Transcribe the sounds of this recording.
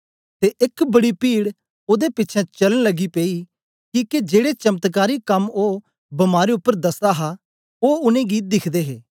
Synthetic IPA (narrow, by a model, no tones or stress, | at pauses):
t̪eːʔɪkbɐɽipiːɽ | oːd̪epɪtːt͡ʃʰɛ̃t͡ʃɐləɽ̃lɐɡipeːi | kiːked͡ʒeːɽet͡ʃɐmət̪kaːɾikɐmoː | bɐmaːɾeʊpːəɾd̪ɐsd̪aɦa | oːʊnẽːɡid̪ɪkʰd̪eːɦeː